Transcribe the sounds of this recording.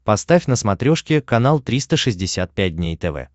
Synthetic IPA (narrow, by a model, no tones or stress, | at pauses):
pɐst̪afʲnəsmɐt̪ɾʲoʂkʲɪkɐnalˠt̪ɾʲist̪əʂɨzʲdʲɪsʲat̪̚pʲæt̚ʲd̪ʲnʲejt̪ɛvɛ̰